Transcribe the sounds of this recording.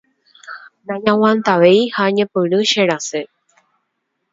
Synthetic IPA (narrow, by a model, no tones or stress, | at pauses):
d̪aɲãwãnt̪aʋejhaɲẽpɨɾɨʃeɾase